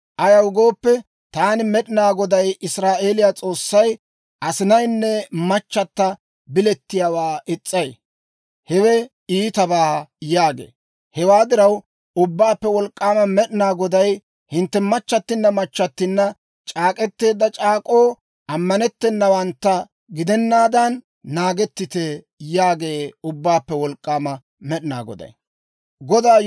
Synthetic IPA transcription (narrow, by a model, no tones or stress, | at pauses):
ʔɐjɐwɡo̞ːpːɛ | t̪aːnɪmɛɗɪnaːɡɔd̪ɐjɪsɾaːʔe̞ːlɪjat͡sʼo̞ːsːɐj | ʔɐsɪnɐjnːɛmɐt͡ʃːɐt̪ːɐ | bɪlɛt̪ːɪjaːwaːʔɪt͡sʼːɐj | hɛwɛ | iːt̪ɐbaːjaːɡḛː | hɛwaːd̪ɪɾɐw | ʊbːaːpːɛwɔlkʼːaːmɐmɛɗɪnaːɡɔd̪ɐj | hɪnt̪ːɛmɐt͡ʃːɐt̪ːɪnːɐmɐt͡ʃːɐt̪ːɪnːɐ | t͡ʃʼaːkʼɛt̪ːe̞ːd̪ːɐt͡ʃʼaːkʼoː | ʔɐmːɐnɛt̪ːɛnːɐwɐnt̪ːɐ | ɡɪd̪ɛnːaːd̪ɐnː | aːɡɛt̪ːɪt̪ɛ | jaːɡe̞ːʊbːaːpːɛwɔlkʼːaːmɐ | mɛɗɪna̰ːɡɔ̰d̪ɐ̰j | ɡɔd̪aː